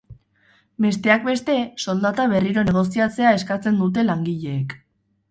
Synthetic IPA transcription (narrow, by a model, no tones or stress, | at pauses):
be̞st̪e̞ak̚be̞st̪e̞so̞ld̪at̪aβ̞e̞riɾo̞ne̞ɣ̞o̞siat͡se̞ae̞skat͡se̞nd̪ut̪̬e̞laŋɡiʎe̞ːk